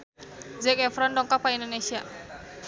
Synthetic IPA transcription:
zɛkɛfɾɔndɔŋkɔpaindonesia

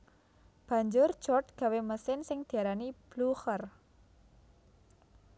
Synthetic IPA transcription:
b̥a̤ɲd͡ʒʊr̥d͡ʒ̥ɔt̪̚ɡ̥a̤weməsɪnsɪŋd̪̥i̤aɾanib̥luxər

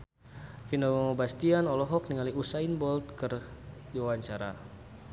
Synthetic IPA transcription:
finɔmɔmobast̪ianɔlɔɦɔk̚niŋaliusainbɔlt̪̚kərdiwawaɲt͡ʃaɾa̰

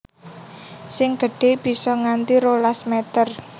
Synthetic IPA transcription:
sɪŋɡ̥ə̤ɖ̥e̤b̥i̤sɔŋant̪iɾolasmet̪ər

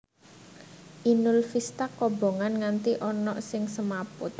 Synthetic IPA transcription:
ʔinʊlfist̪akɔb̥o̤ŋanŋant̪iʔɔnɔʔsɪŋsəmapʊt̪̚

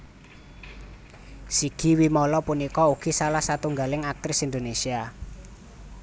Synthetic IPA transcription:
siɡ̥i̤wimɔlɔpunikɔuɡ̥i̤salahsat̪uŋɡalɪŋak̚t̪ɾɪsind̪onesia

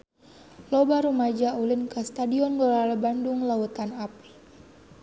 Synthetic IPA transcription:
lɔbaɾumad͡ʒaulinkast̪adiɔnŋɡɔlalabanduŋlaut̪anap̚

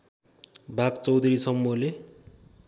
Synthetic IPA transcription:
bʱakt͡sʌwd̪ʱuɾisʌmːule

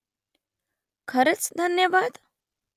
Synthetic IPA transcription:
kʰəɾet͡sd̪ʱənjəʋaːd̪

